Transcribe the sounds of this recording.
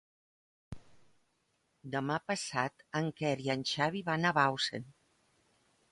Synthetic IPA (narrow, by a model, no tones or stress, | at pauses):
d̪əmapəsat̪əŋkɛɾiənʲʃaβiβanaβawsḛn